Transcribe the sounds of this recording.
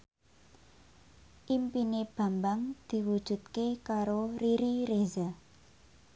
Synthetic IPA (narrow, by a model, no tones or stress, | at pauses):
ʔimpineb̥a̤mbaŋd̪̥i̤wud̥ʒ̥ṳt̪̚kekaɾoɾiɾiɾeza